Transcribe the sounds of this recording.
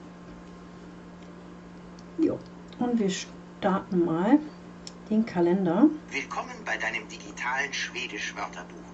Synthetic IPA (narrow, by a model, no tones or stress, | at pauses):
jo̰ː | ʔʊntv̥iːɐʃ | taɐtn̩maːl | d̥eːnkʰalɛndɐvɪlkʰɔmənbaɪdaɪnəmdiɡitʰaːlənʃv̥eːdɪʃv̥œɐtʰɐbuːx